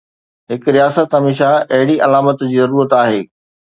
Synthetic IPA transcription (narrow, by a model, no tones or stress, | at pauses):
ɦɪkɾijaːsət̪ɦɐmeːʃ̬aʔɐɦɪɽiʔɐlaːmət̪d͡ʑiːzɐɾuːɾət̪aːɦeː